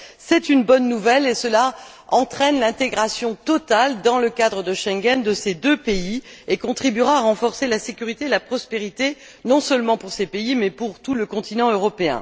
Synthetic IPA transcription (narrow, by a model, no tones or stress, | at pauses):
sɛt̪ynbɔnːuvɛlesəla | ɑ̃t̪χɛnlɛ̃t̪eɡʁasjɔ̃t̪ɔt̪ald̪ɑ̃ləkad̪ʁəd̪əʃɛ̃ŋɡʲɛnd̪əsed̪øpeiekɔ̃t̪χibyʁãːʁɑ̃fɔʁselasekʲyʁit̪eelapχɔspeʁit̪e | nɔ̃sœlmɑ̃puʁsepeimɛpuʁt̪uləkɔ̃t̪inɑ̃øʁɔpeɛ̰̃